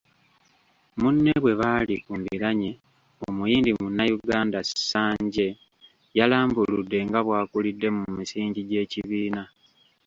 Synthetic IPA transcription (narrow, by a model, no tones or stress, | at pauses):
munːeβwe̞βaːlikumbiɾaɲe | o̰mujiːndimunːajuɡaːndasaːɲɟe̞ | jalaːmbuludːe̞ŋɡaβwaːkulidːe̞mumisiːɲɟiɟe̞ːciβiːna